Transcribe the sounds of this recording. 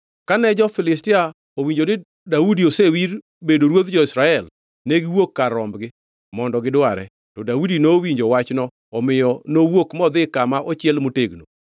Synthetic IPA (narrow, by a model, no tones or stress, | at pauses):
kanɛd͡ʒɔfɪlɪstɪa | owiɲd͡ʒonɪ | daudiosewiɾ | bedoɾwot̪d͡ʒɔɪsɾaɛl | neɡɪwokːaɾɔmbɡɪ | mɔndɔɡɪdwaɾɛ̰ | tɔdaudinowiɲd͡ʒowat͡ʃnɔ | ɔmɪjɔnowokmɔd̪ɪkamaʔɔt͡ʃɪɛlmoteɡno̰